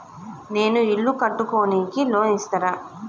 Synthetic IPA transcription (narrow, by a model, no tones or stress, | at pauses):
ne̞ːnuiɭːukɐʈːuko̞ːniːkiloːnist̪ɐɾa